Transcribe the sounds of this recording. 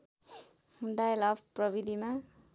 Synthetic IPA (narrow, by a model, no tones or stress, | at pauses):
ɳɖajlʌbʰprʌbid̪ʱima